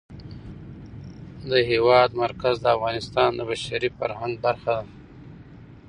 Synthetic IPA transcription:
d̪əɦewɑd̪maɾkazd̪əafɣɑnɪst̪ɑːnd̪əbaʃaɾifaɾhaŋɡ̚baɾxad̪a

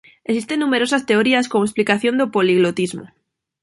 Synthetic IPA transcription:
esist̪enːũmeɾosast̪e̞oɾiaskomoesplikaθjond̪opoliɣlot̪izmo̰

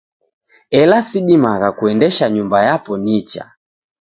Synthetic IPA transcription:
ɛlasiɗimaɣakuɛndɛʃaɲumbajapɔnit͡ʃa̰

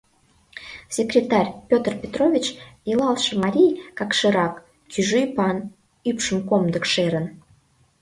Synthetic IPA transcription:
sʲekrʲet̪ɑrʲpʲot̪rpʲet̪rovʲit͡ɕilɑlˠʃəmɑɾʲijkɑkʃɨɾɑk | kʲyʒyjpɑn | ypʃəmkomd̪ə̆kʃeɾən

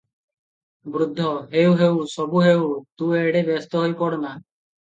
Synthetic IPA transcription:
bɾud̪ʱːɔɦewɦewsɔbuɦewt̪ueɽebɔst̪ɔɦojpɔɽna

